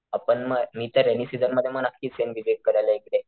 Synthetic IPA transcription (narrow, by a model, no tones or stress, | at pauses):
apəɳməmiːt̪əɾenisid̪ənməd̪ʱjeməɡnakʰːiːsenʋiʋeɡ̚kəɽajlaekɽe